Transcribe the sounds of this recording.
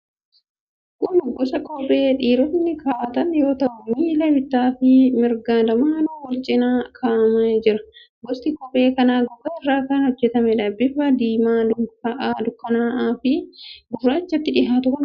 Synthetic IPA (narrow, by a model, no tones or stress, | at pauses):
kʼʊnʊɡɔsɐkʼɔpʼeːᶑiːɾɔt̪nːɪkʰaːt̪ɐnjo̞ːt̪ɐʔʊmiːlɐbɪt̪ːaːfɪmɪɾɡaːd̪ɐmaːnɐwɔlt͡ʃʼɪnaːkʰaːmɐd͡ʒɪɾɐ | ɡɔst̪ɪkʼɔpʼe̞ːkɐnaːɡɔbɐɛrːaːkɐnhɔd͡ʒːɛt̪ɐmɛᶑɐbːɪfɐd̪iːmaːd̪ʊkɐʔaːd̪ʊkːɐnaːʔaːfɪɡʊrːaːt͡ʃːɐt̪ːɪᶑɪɦaːt̪ʊkɐn